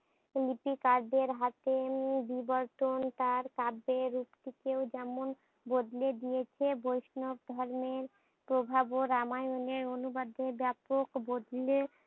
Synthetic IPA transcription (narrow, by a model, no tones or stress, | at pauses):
lipikaɾɖeɾɦat̪ebibɔɾʈ̪ont̪aɾkabeɾupt̪ʰikeod͡ʑɛmon | bod̪led̪ijet͡ɕʰebojʃnob̚d̪ʱɔɾmeɾ | pɾobʱaboɾamajoneɾonubad̪ʱebɛpokbod̪le